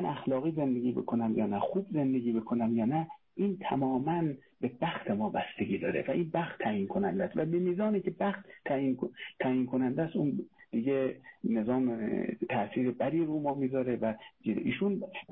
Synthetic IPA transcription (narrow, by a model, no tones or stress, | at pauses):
mænʔæxlɒːɣiːze̞nd̪e̞ɡʲiːbḛkʰonæmjɒ̰ːnæxuːbze̞nd̪eɡʲiːbekʰonæmjɒːnæ | ʔiːnt̪ʰæmɒːmæn | be̞bæxt̪ʰemɒːbæst̪eɡiːd̪ɒːɾḛvæʔiːnbæχt̪ʰːæjiːnkʰonænd̪æst̪væbemiːzɒːniːcʰebæxt̪ʰːæinʰæjiːnkʰonænd̪æst̪uːnd̪̥iɟene̞zɒːmt̪ʰæsiːɾebæd̪iːɾumɒːmiːzɒːɾevæd͡ʒiʔiːʃun